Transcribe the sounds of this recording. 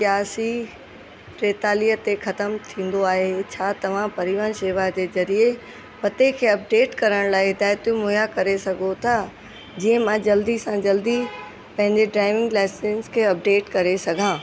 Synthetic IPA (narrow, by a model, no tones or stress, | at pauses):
sjaːsi | ʈɾeːt̪aːliət̪exɐt̪əmt̪ʰĩːn̆d̪oaːɦet͡ɕʰaːt̪ɐʋ̤ãpɐɾɪʋənʃeːʋad͡ʑezɐɾie | pɐt̪ekʰeːɐp̚ɖeːʈkɐɾəɽ̃laːɪɦɪd̪aːjt̪jũmoːjakɐɾesɐɡʱot̪ʰaː | d͡ʑiːə̃mãd͡ʑɐld̪isãd͡ʑɐld̪i | pɐ̃ɦɪ̃ɲd͡ʑeɖɾaːɪʋɪ̃ŋɡlaːɪsɪ̃nskʰeːɐp̚ɖeːʈkɐɾesɐɡʱãː